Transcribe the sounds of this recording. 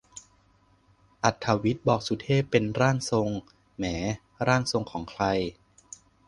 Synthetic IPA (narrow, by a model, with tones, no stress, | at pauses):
ʔa˨˩t̪ʰːa˧wi˦˥t̪̚bɔː˨˩k̚su˨˩˦t̪ʰeː˥˩pːe˧nɾaː˥˩ŋso˧ŋ | mɛː˩˦ | ɾaː˥˩ŋso˧ŋkʰɔː˩˦ŋkʰɾa˧j